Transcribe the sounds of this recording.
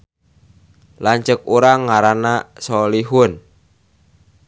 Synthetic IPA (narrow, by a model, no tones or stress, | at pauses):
laɲt͡ʃək̚uɾaŋaɾanasɔliɦʊn